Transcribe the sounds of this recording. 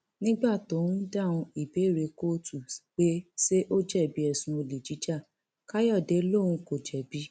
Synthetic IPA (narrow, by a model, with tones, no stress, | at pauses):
nĩ˦ɡ͡ba˦˨to˨˦ɾũ˦da˦˨ũ˧i˨be˨˦˨ɾe˧ko˦tu˨k͡pe˦se˦ʔo˦d͡ʒɛ˦˨bi˨˦ɛ˦˨sũ˨˦o˧li˨d͡ʒi˨˦d͡ʒa˦˨ | ka˦jɔ˦˨de˨˦lo˦˨ɾũ˧ko˨d͡ʒɛ˨bi˨˦